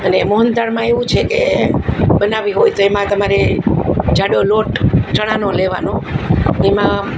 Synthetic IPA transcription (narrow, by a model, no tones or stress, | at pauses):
ənemoɦənd̪aɾmãeʋũt͡ʃʰeke | ɓənaʋiɦojt̪oemãt̪əmaɾe | d͡ʒaɽjoloʈt͡ʃəɽ̃anoleʋa̰nõemã